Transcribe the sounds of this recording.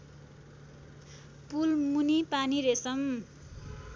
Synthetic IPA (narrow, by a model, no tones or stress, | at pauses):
pulmunipaniɾesʌm